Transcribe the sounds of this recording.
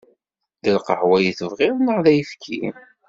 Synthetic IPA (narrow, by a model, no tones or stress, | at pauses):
ðəlqəħwæjiθəvʁɪɾnəʁðæjfkʰḭm